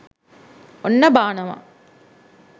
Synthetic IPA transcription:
onːɐbaːnɐmɐ̰

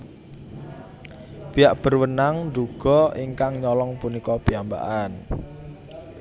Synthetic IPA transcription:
b̥i̤jaʔb̥ə̤rwənaŋnduɡ̥ɔ̤iŋkaŋɲɔlɔŋpunikɔb̥iamba̰ʔan

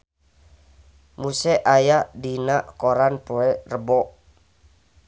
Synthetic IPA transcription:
musɛʔajadinaʔkoɾanpoɛrəbɔʔ

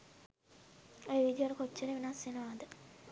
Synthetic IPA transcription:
ojʋid̪ijoɾəkot͡ʃːeɾeʋinasjenəʋaːd̪ə

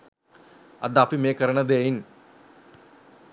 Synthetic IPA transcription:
ɐ̰d̪apimeːkɐɾɐɳɐd̪eːjiŋ

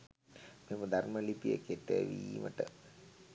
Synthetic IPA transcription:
meməd̪ʱarməlipijə̰keʈːeʋiːmʔə̰ʈə̰

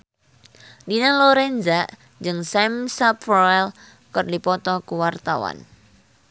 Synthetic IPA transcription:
dinaloɾɛnd͡ʒaʔ | d͡ʒɨŋsɛmsapfɔɛl | kərdipɔt̪ɔkuwart̪awa̰n

